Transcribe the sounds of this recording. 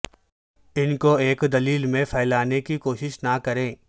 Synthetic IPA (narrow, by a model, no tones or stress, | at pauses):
ɪnkoeːkd̪ɐliːlmẽpʰɛːlaːnekikoːʃɪʃnakɐɾẽː